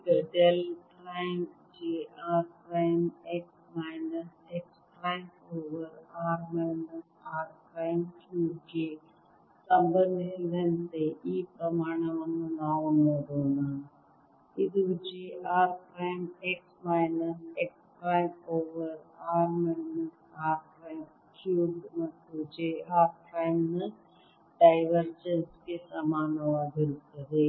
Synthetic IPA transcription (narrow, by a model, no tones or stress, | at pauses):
ɡɐɖelkɾaːɪmd͡ʑeːaːɾkɾaːɪmeːksmaːɪnəseːkskɾaːɪpoːʋəɾaːɾmaːnəsaːɾkɾaːɪmtʰud͡ʒe | sɐ̃mbənd̪ʱɪnd̪ənɪt̪eʔiːpɾɐmaːɽ̃əʋɐnũnaːõnɐɾoːna | ɪd̪uʊd͡ʒeʔaːɾkɾaːɪmeːksmaːɪnəseːkskɾaːɪmoːʋəɾaːɾmaɪnəsaːɾkɾaːɪm | kʰjuːɖmɐt̪ud͡ʒeaːɾkɾaːɪmnə | ɖaːɪʋəɾd͡ʒənskʰesamaːnoaːɦɪlkɐɾeː